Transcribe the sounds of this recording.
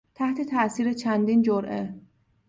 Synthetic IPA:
t̪ʰæht̪ʰe̞t̪ʰæʔsiːɾet͡ʃʰænd̪iːnd͡ʒoɾʔḛ

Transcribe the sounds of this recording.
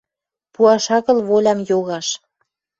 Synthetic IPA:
puɑʃɑɣə̆lβolʲɑmjoɣɑʃ

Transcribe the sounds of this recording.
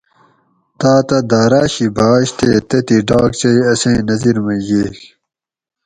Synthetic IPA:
t̪aːt̪ɐd̪aːɾaːɕibaːɕt̪ʰeːt̪ɐt̪iɖaːk̚t͡ɕɐjɐsẽːnɐziɾmɐɡeːk

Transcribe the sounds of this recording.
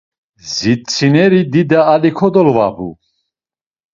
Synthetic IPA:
zit̪t͡sʰinɛɾid̪id̪aːlikʰɔd̪ɔlva̰bṵ

